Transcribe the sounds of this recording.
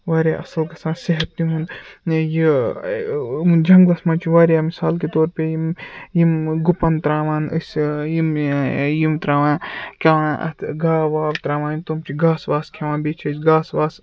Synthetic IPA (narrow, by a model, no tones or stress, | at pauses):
ʋaːɾʲaːʔɐsɐlkɐsãːnseɦɐt̪ːʲiɦũnd̪ji | md͡ʒɐŋɡlɐsmãːt͡ʃʰiʋaːɾjaːmisaːlket̪oːɾpejimjimɡupɐnt̪ɾaːʋaːnɨsʲjimjimt̪ɾaːʋãːkʰʲeʋãːɐ̰t̪ʰɡaːʋaːʋt̪ɾaːʋãːnt̪omt͡ʃʰiɡaːsʋaːskʰɐʋãːnbit͡ʃʰɐsɡaːsʋaːs